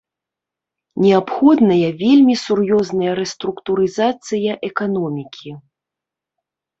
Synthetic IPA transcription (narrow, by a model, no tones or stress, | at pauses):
nʲɛapxɔd̪nɐjɐvʲelʲmʲisurjɔznɐjɐɾɛst̪ɾukt̪uɾɨzat̪sɨjɐʔɛkanɔmʲikʲʰi